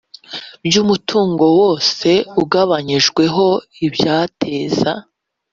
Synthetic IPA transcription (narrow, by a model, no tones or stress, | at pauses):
bjuːmutʰuːŋɡo̞wo̞ːse̞uɡaβaɲiʒɡwe̞ɦo̞ibjaːtʰe̞ːza̰